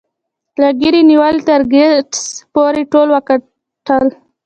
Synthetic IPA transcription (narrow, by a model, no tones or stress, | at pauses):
laɡiɾiniwalt̪aɾɡeʈspoɾeʈolwəka | ʈəl